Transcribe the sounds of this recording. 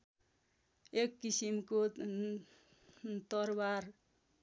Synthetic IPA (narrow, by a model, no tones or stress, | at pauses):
ekːisimko | t̪ʌrbar